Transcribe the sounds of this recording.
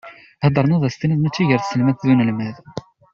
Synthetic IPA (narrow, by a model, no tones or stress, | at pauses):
hd̪ˤəɾˤnæðˤæst̪iniðnæt͡sːiʝəɾθsəlmæθðunəlmæð